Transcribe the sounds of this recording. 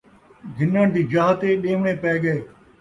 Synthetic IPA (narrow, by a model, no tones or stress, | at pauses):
ɡʱɪnaːnd̪iːd͡ʒaːɦt̪eːɗẽːʋɳeːpɛːɡəeː